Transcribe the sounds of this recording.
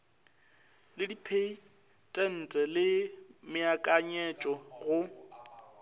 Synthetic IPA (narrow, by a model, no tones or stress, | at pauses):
lɪdipʰei | tʼɛn̩tʼɛlɪmɪakʼaɲɛt͡ʃʼɔɣʊ